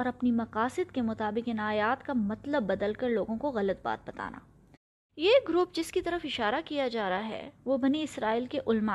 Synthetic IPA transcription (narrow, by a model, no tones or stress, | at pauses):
ɔːɾɐpnimɐqaːsɪd̪kemʊt̪aːbɪqɪnaːjaːt̪kamɐt̪ləbːɐd̪əlkɐɾloːɡõkoɣɐlət̪̚ba̰ːt̪̚bɐt̪a̰ːna̰ː | jeɡɾʊp̚d͡ʒɪskit̪ɐɾəfɪʃaːɾakijad͡ʒaːɾaɦɛ̰ʋobɐniɪsɾaːiːlkeʔʊlma